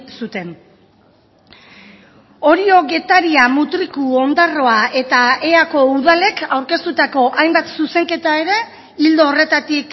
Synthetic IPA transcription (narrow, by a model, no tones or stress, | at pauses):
sut̪e̞n | o̞ɾio̞ɡe̞t̪aɾiamut̪ɾikuo̞nd̪aro̞aʔe̞t̪ae̞ako̞uðale̞kawɾke̞st̪ut̪ako̞ʔajmbat̪suse̞ŋke̞t̪ae̞ɾe̞ | ild̪oːre̞t̪at̪ik